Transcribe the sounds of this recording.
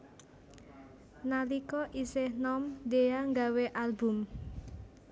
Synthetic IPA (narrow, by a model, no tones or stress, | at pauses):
nalikɔʔisehnɔmd̪eaŋɡaweʔalbʊm